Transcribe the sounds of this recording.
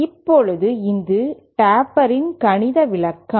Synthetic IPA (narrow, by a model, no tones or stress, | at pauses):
ɪpːɔɭɯðɯɪnd̪ɯʈaːpɐɾɪnkɐɳɪðɐʋɪɭɐkːɐ